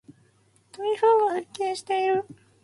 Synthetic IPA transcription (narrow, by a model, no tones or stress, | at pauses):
t̪omʲihoːɡasekːeːɕi̥t̪e̞iɾɯ̟